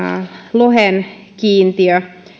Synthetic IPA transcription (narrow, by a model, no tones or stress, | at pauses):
loɦen | kiːnt̪iø